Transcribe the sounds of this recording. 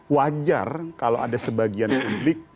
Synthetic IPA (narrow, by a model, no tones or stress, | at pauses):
wad͡ʒa̰rkalo̰adasəbaɡianpublɪk̚